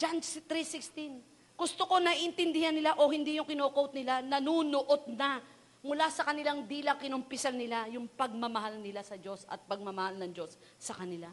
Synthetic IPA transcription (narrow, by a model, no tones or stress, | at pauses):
d͡ʒant̪ɾisɪkst̪in | ɡ̥ʊst̪oko̞nɐʔʔɪnt̪ɪnd̪ɪhanːɪlaʔo̞ɦɪnd̪ijʊŋkɪnoːkowt̪̚nɪlanɐnunoʔot̪̚nɐ | mʊlasɐkɐnɪlaŋd̪iːlɐkɪnʊmpɪsalnɪlajʊŋpɐɡ̚mɐmɐhalnɪlasɐd͡ʒo̞sɐ̰t̪̚pɐɡ̚mɐmɐhalnɐŋd͡ʒo̞sː | ɐkɐnɪla